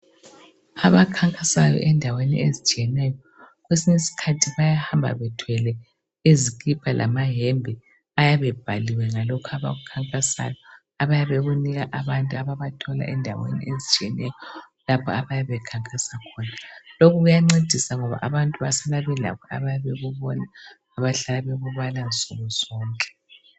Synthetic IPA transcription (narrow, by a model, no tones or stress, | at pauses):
aβakʰaŋkʼasajɔ̰ʔɛndʱawenḭʔezit͡ʃʼiɛnɛːjɔ | ɣwesiɲesi̥kʰatʰiβajahambʱa̰βɛtʰwɛlɛ | ezikʼipʰalʔa̰maɦembʱɛ | ajaβɛb̥ʱaliwɛŋalɔkʰaβa̰ɣukʰaŋkʼasa̰jɔ | aβajaβeɣuniɣaʔaβantʼuaβaβatʰɔla̰ʔɛndʱawḛnḭʔezit͡ʃʼiɛnɛjɔ | lapʰɔaβajaβɛkʰaŋkʼasakʰɔːnalokʰuɣujaŋ͡ǀed̥ʱisaŋɔβa̰ʔaβantʼuβasalaβɛla̰kʰɔa̰βajaβeɣuβɔnaː | βaɬalaβeɣuβalansʼuɣɔz̥ɔːŋkʼɛ̥